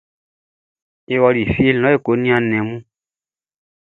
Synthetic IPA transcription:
e˨wɔ˧li˨fi˦e˦llɔ̃˨˦e˦˨ko˨˦nĩ˦ã˧nɛ̃˨mũ˦

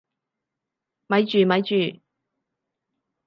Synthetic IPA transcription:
mɐ˨˧jt͡ʃyː˨mɐ˨˧jt͡ʃyː˨˩

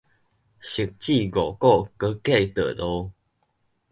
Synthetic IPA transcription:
ɕi˨˩k̚t͡ɕi˥˧˨ɡo˨kɔ˥˨kə˦kɛ˥˧˨jt̪ə̰˨lo˧

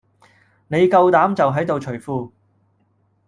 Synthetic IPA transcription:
ne˨˧jkɐ˧wt̪aː˨˥mt͡sɐ˨wɦɐ˨˥jt̪o˨wt͡ʃʰɵ˨˩jfuː˧

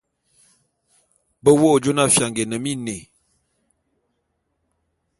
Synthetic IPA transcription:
bə˦wo˦˨d͡ʒo˦na˦fja˨ŋɡe˨nə˨mi˦ne˨

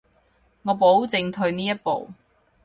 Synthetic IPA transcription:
ŋɔː˨˧po˨˥wt͡sɪ˨ŋt̪ʰɵ˧ɥniː˥jɐ˥t̚po̰˨w

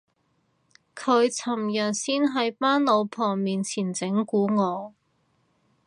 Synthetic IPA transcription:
kʰɵ˨˧ɥt͡sʰɐ˨˩mjɐ˨t̚siː˥nɦɐ˨˥jpaː˥nlo˨˧wpʰɔː˨˩ŋmiː˨nt͡sʰiː˨˩nt͡sɪ˨˥ŋkuː˨˥ŋɔː˨˧

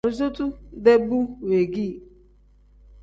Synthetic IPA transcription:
ɾʊ˨z̬u˦tu˦de˦bu˦we˨ɡi˦˨

